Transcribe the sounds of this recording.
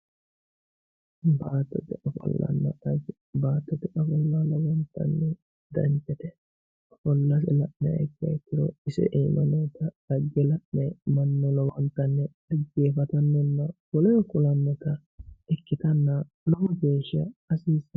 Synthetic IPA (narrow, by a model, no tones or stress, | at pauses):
baːt̪ːɛt̪ɪʔɐfɐ̰lːɐ̰nːɐɐɡ | baːt̪ːɔt̪ɪʔɐfɔlːalɔwɐnt̪ːɐ̰nːɛ | d̪ɐnt͡ʃːɛt̪ɛ | ɐfɔlːɐsɛlɐʔnɛɐ̰jt̪ːɪɐ̰jk̪ːɪɾɔ̰ɪsɪ̰ʔɛjmɐnːɔt̪ɐdɐɡːɛlɐʔnɛmɐnːɔlɔwɐnt̪ːɐnːɛ | ɐɡeːfɐt̪ɐnːɔnːɐwɔlɛjɔkʊlɐnːɔt̪ɐ | ɛkːɪt̪ɐnːɐ | lɔhɔɡeːʃːɐɐsiːs